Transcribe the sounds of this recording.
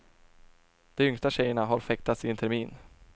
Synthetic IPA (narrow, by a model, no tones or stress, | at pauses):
d̪̥ɛmʏŋst̪aɕɛjːəɳaɦaɾfɛk̚t̪ʰat̪sɪɛnt̪ʰɛɾmiːn